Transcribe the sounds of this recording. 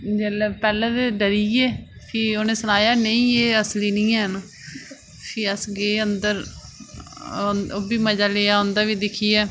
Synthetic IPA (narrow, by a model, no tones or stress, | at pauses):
d͡ʒɛlɛpɛːlɛ̃ːd̪eɖəɾiːeːpʰiːoːnẽːsənaːjaːnəĩːeːəsliːniːãːɦən | pʰiːəsɡeːənd̪əɾ | oːbiːməd͡ʒaːleːaːõːnd̪aːʋiːd̪ɪkʰiːɛː